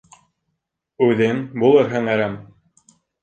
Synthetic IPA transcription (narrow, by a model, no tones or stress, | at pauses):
ʉðɘŋbulˠɤɾɦɤ̆ŋæɾæm